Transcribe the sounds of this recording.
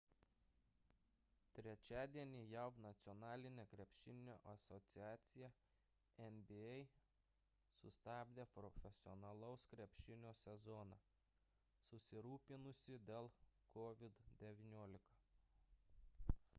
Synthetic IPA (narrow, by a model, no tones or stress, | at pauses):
t̪ʲɾʲɛt͡ʃʲæːd̪ʲiɛnʲiːjɛʊnɐt̪sʲɔnɑːlʲɪnʲekɾʲɛpʲʃʲɪnʲnʲoːʔɐsɔt̪sʲɪæːt̪sʲɪjɛ | ɛmbʲiɛɪ | sʊ̰st̪ɑːbʲd̪ʲeːpɾɔfʲɛsʲɪɔnɐlˠɐʊskɾʲɛpʲʃʲɪnʲoːsʲɛzɔnɑː | sʊsʲɪɾuːpʲɪnʊsʲɪd̪ʲeːlˠkɔʋʲɪd̪d̪ʲɛʋʲinʲuɔlʲɪkɐ